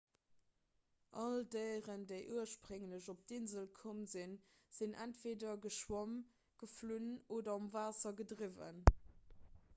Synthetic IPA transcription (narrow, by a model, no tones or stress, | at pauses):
ʔɑldəɪʁəndəɪʔuɐʃpʁəŋləʑop̚d̥inzəlkʰomzin | z̥inʔæntv̥eːdɐɡəʃwom | ɡ̥əflunoːdɐɑmvaːsɐɡədʁivə̰n